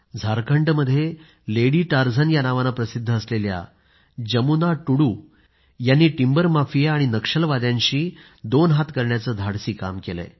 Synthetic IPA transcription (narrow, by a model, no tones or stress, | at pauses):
d͡zʱaɾkʰəɳʈməd̪ʱːje | leɽiːʈaɾd͡zʱanjanaʋanapɾəsid̪ʱːəːslelja̰ | d͡ʑəmunaʈuɽuː | janːiːʈimbəɾmafijaaɽ̃inəkʂəlʋad̪jãɲɕiː | d̪onɦat̪kəɾɳjat͡səːd̪ʱaɽsiːka̰mkelə̰